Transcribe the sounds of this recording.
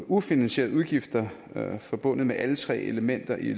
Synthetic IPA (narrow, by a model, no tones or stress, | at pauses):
ufinænɕe̝̰ːɐð̩ˠuðˠɡ̥ifd̥ɐfɒ̽b̥ɔ̽n̰ð̩ˠmeʔælət͡sʰʁɛ̰ːe̝ləmen̰d̥ɐʔi